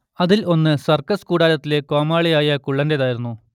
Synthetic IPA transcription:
ɐðilʔo̞nːɨsɐrkɐskuːɽaːlɐt̪ːile̞koːmaːɭijaːjɐkuɭːɐndeðaːjiɾunːu

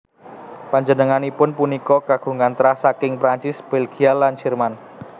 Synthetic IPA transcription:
paɲd͡ʒənəŋanipʊnpunikɔkaɡ̥ṳŋant̪ɾahsakɪŋpɾaɲt͡ʃɪsb̥elɡialant͡ʃirman

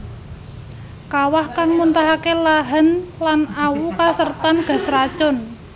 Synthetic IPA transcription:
kawahkaŋmunt̪aɦakelaɦənlanawukasərt̪anɡ̥a̤srḁt͡ʃʊn

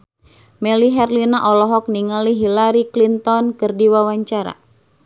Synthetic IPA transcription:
mɛliɦɛrlinaʔɔlɔɦɔk̚niŋaliɦilaɾiklint̪ɔnkɨrdiwawaɲt͡ʃaɾa̰

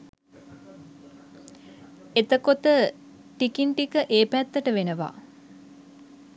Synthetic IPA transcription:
et̪əkot̪ə | ʈikinʈikəʔeːpæt̪ːəʈəʋenəʋa̰

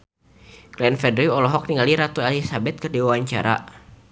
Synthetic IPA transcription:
klɛnfɛdɾiɔlɔɦɔk̚niŋaliɾat̪uelisabɛt̪̚kɨrdiwawaɲt͡ʃa̰ɾa̰

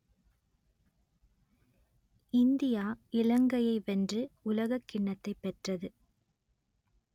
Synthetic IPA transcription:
ɪnd̪ɪjaːɪlɐŋɡɐjɐɪʋɛndrɯʊlɐɣɐkːɪɳːɐt̪ːɐɪpːɛʈrɐðɯ

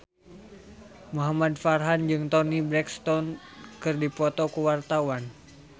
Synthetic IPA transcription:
muɦamad̚farɦand͡ʒɨŋt̪ɔnibɾɛkst̪ɔnkɨrdipɔt̪ɔkuwart̪awan

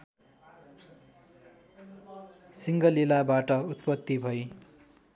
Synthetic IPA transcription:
siŋɡʌlilabaʈʌut̪̚pʌt̪ːibʱʌj

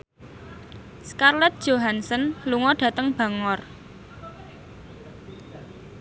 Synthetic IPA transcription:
skarlɛt̪̚d̥ʒ̥oɦansɔnluŋɔɖ̥ä̤t̪əŋb̥a̤ŋɔr

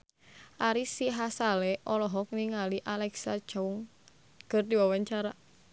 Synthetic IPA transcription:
ʔaɾisiɦasalɛʔɔlɔɦɔk̚niŋaliʔalɛksḁd͡ʒ̥auŋ | ɡ̥ərd̪iwawaɲt͡ʃaɾa

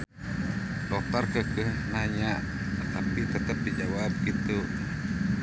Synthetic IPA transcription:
dɔt̪arkəkəhnaɲaʔ | t̪apit̪ət̪əp̚ːid͡ʒawab̚kit̪u

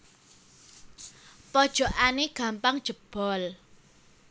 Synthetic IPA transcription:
pɔd̥ʒ̥o̤ʔaneɡ̥a̤mpaŋd̥ʒ̥ə̤b̥ɔ̤l

